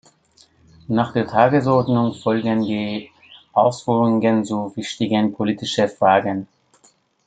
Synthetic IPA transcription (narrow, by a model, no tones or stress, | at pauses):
naːχd̥eːɐtʰaːɡəs̬ɔɐdnʊŋfɔlɡəndiː | ʔaʊsfyːʁʊŋɡənt͡suvɪçtɪɡənpʰoliːtɪʃəfʁ̥aːɡən